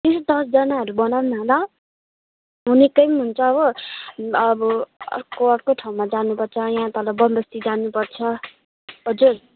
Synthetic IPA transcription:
t̪esd̪ʌsd͡zʌnaɦʌɾubʌnawnmala | ɦunekʌjmɦunt͡sʰʌːβʌ | ʌbʌ̰rkoʌɽkoʈʰaw̃mad͡zanupʌrt͡sʰʌjɦãt̪ʌlʌbʌmbʌst̪id͡zanːupʌrt͡sʰʌ | ɦʌd͡zur

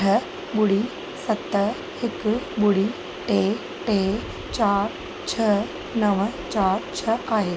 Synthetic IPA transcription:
ə | ɓʊɽi | sɐt̪ə | hɪkɓʊɽi | ʈe | ʈe | t͡ɕaːɾ | t͡ɕʰə | nəʋət͡ɕaːɾt͡ɕʰəaːɦe

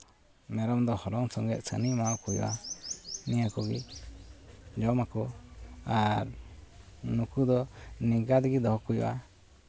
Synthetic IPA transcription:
mɛɾɔmd̪ɔhɔɾɔŋsɔŋɡɛt̪̚sə̰nimaɔkujɔ̰ʔa | nijakɔɡḭ | d͡ʒɔmakɔaɾ | nukud̪ɔniɡad̪ɡid̪ɔɦɔkujɔ̰ʔa

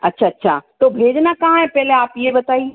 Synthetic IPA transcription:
ɐtːɕʰaɐtːɕʰa̰t̪obʱeːd͡ʑnakɐ̃ɦãɦẽpɛɦleaːpiebɐt̪aːi

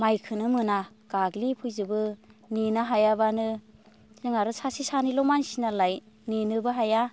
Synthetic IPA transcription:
majkʰɯnɯmɯna | ɡ̥aɡlipʰujzɯbɯninaɦajabanɯ | zɯŋaɾɯsasisanilɔmansinalaj | ninɯbɯɦaja

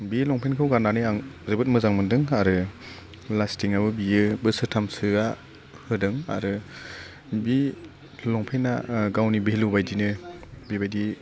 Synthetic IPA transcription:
bilɔŋpʰenkʰɯwɡananɯaŋzɯbɯt̚mɯzaŋmɯndɯŋaɾɯ | lastiŋabɯbijɯbɯsɯtʰamsɯa | hɯdɯŋa̰ɾɯ | bi | lɔŋpʰenːa̰ɡawnibihlubajdinɯbibajdi

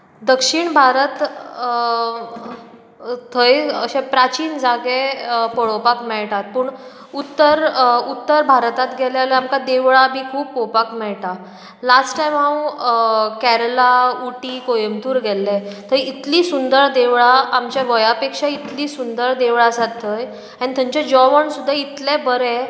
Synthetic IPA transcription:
d̪əkʂiɳbʱaɾət̪ | t̪ʰəjəɕɛpɾat͡ɕiːnd͡zaɡepɔɭopakmɛɭʈat̪̚pəɳ | ut̪ːəɾut̪ːəɾbʱaɾt̪at̪ɡʱɛlɛalɛamkad̪eʋɭabʱiːkʰuːbpopakmɛɭʈ̪a | lasʈʈajmɦãw | kæɾlauʈikojəmt̪uːɾɡʱɛlːɛt̪ʰəit̪liːsund̪əɾd̪eʋɭaamt͡ɕjaʋəjapekʂait̪liːsund̪əɾd̪eʋɭasat̪ʰːəj | ãñt̪ʰə̃ɲt͡ɕad͡ʑɔʋəɳsud̪ʱːait̪lɛbəɾɛ

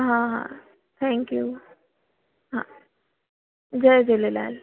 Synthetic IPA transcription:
ɦãɦã̰ | t̪ʰɛ̃ŋkju | ɦã | d͡ʑəjd͡ʑelela̰l

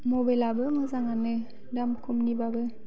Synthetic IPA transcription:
mobajlabɯmɯzaŋanɯ | damkʰɔmnibabɯ

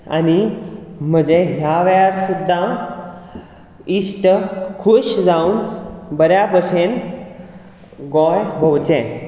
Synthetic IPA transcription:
a̰nim̤əd͡ʑeɦjaʋɛjaɾsud̪ʱːa | isʈəkʰuɕd͡zaunbəɾjapəɕen | ɡɔjbʱəwt͡ɕɛ̃

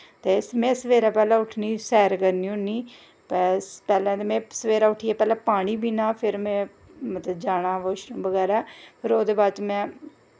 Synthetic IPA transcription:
t̪eːsmɛ̃ːsəʋeːɾaːpɛːlãːʊʈʰniːsɛːɾkəɾniːʊ̃niː | pɛːspɛːlɛ̃ːd̪emɛ̃ːsəʋeːɾaːʊʈʰiːaːpɛːlãːpaːɽ̃iːbiːnãːpʰɪɾmɛ̃ː | mət̪ləbd͡ʒaːɽ̃aːʋoːʃnũːbəɡɛːɾaːpʰɪɾoːd̪eːbaːt͡ʃmɛ̃ː

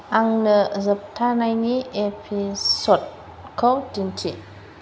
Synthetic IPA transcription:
ʔaŋnəzəp̚tʰanajniʔepʰisot̚ | kʰodintʰi

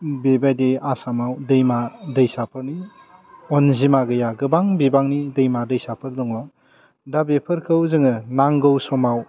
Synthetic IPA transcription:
bebajdeasamawdɯjmadɯjsapʰɯɾni | ɔnzimaɡɯjaɡɯbaŋbibaŋnidɯjmadɯjsapʰɯɾdɔŋɔ | dabepʰɯɾkʰɯwzɯŋɯnaŋɡɯwsɔmaw

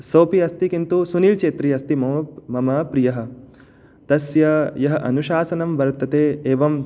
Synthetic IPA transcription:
sɐwpiɐst̪ikint̪usuniːlt͡ʃeːt̪ɾiɐst̪imɐɐmɐmɐpɾijɐɦɐ̆ | t̪ɐsjɐjɐɦɐʔɐ̰nuʃaːsɐnɐmʋɐɾt̪ɐt̪eːeːʋɐm

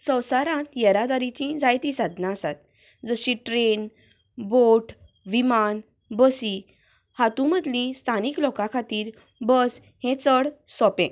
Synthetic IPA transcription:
sə̃wsaɾãt̪jəɾad̪aɾit͡ɕĩd͡zajt̪ĩsad̪ʱnãəsat̪̚ | d͡zəɕĩʈɾen | boʈʰ | ʋiman | bəsi | hat̪ũməd̪lĩst̪ʰaniklɔkakʰat̪iːɾ | bəs | hẽt͡səɽsɔpẽ

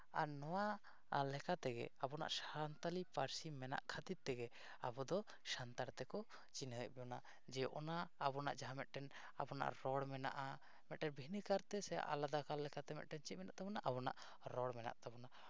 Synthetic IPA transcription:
a̰nɔwa | lɛkat̪ɛɡɛ̰abɔna̰ʔʃaɾant̪alipaɾsimɛna̰ʔkʰat̪id̪̚t̪ːɛɡɛ | abɔd̪ɔ | ʃant̪aɽt̪ɛkɔ | t͡ʃinəɛʔbɛɔnaʔ | d͡ʒɛɔʔɔnaːbɔna̰ʔd͡ʒaɦãmɛt̪̚ʈɛn | abɔna̰ʔɾɔɽmɛna̰ʔa | mɛt̪̚ʈɛɾbʱinəkaɾt̪ɛsɛja̰ʔalad̪akalːɛkat̪ɛmɛ̰ʔ̪̚ʈɛnt͡ʃit̪̚mɛnaʔt̪abɔnaʔabɔna̰ʔ | ɾɔɽmɛna̰ʔt̪abɔna

